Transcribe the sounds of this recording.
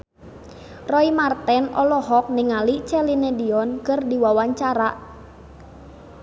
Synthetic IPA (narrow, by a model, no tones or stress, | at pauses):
rɔimart̪ɛnɔlɔɦɔk̚nɪŋalit͡ʃɛlinediɔnkərdiwawaɲt͡ʃaɾaʔ